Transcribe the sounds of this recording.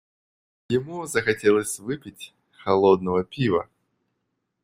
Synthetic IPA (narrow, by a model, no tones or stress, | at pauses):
jɪmuzəxɐtʲelˠəsʲvɨpʲɪtʲ | xɐlˠod̪̚nəvəpʲivə̰